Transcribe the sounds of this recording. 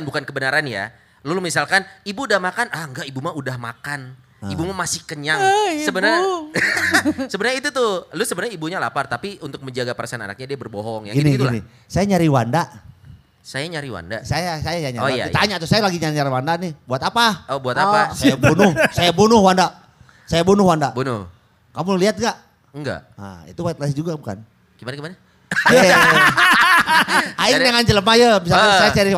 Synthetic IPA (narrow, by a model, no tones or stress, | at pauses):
nbukankəbənaɾanja̰ | lulumisalkanibuːdahmakanaŋɡaʔibumaudahma̰kan | ibumamasɪhkəɲaŋsəbənər | səbənɾɲait̪ut̪ʊlusəbənarɲaibuɲala̰part̪apiunt̪ʊk̚məɲd͡ʒaɡapəɾasana̰na̰k̚ɲadiabərboɦɔŋjaŋɡiiniɡ̪ilni | sajaɲaɾiwanda | sajaɲaɾiwa̰nda̰sajasajajaɲait̪aɲaʔt̪usajalaɡiɲaɾiɲaɾiwandanɪhbuat̪apaobuat̪aasaabunʊhsajabunʊhwanda | sajabunʊhwandaʔbunʊh | kamʊliat̪̚ɡaʔ | ŋɡa̰ə̰ḭt̪uwat̪̚lasd͡ʒuɡabuka̰n | ɡ̥imanaɡimana | aja | aiŋdaŋant͡ʃələmad͡ʒəmis̬alkasajaɲaɾi